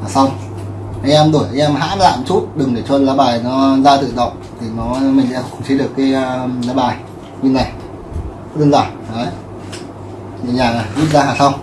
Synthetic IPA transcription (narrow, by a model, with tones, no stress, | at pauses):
aː˨˩sa˧wŋ͡m | ʔaː˧jʔɛ˧mɗo˧˩jʔaː˧jʔɛ˧mɦa̰ː˧˥la̰ː˧˨mt͡ɕu˦˥t̚ɗɨ˨˩ŋɗe˧˩t͡ɕɔ˧laː˨˦ɓaː˨˩jnɔ˨˦zaː˧t̪ɨ̰˧˨ɗə˨˩wk͡p̚t̪ʰi˨˩nɔ˨˦mi˨˩ŋ̟sɛ̰˧˥˧kʊ̰˧˩ŋ͡mt͡ɕʰi˨˧˦ɗɨ˨˩əkːaː˨˦jlaː˨˦ɓaː˨˩j | kwi˧na˨˩j | ɗɨ˧ənzaː˧˩nnɔ˨˦j | ɲḭ˧˨ɲaː˨˩na˨˩jʔi˦˥t̚zaː˧ɦaː˨˩sa˧wŋ͡m